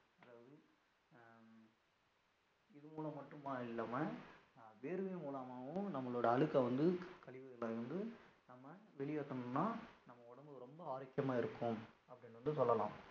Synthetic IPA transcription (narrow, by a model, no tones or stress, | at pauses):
ɐðaːʋɐðɯ | ɪðɯmuːlɐmːɐʈːɯmaːɪlːaːmɐ | ʋeːɾɯʋeːmuːlaːmaːʋʊ̃nɐmːɐɭoːɽɐːɭɯkːɐʋɐnd̪ɯkɐɭɪʋɐðɪlaːʋɐnd̪ɯ | nɐmːɐʋɛɭɪjaːt̪ːɐnɯnːaːnɐmːɐʊɽɐmbɯɾɔmbɐaːɾɐkːjɐmaːɪɾɯkːʊm | ɐpːɐɽɪnːɯʋɐnd̪ɯsɔlːɐlã̰ːm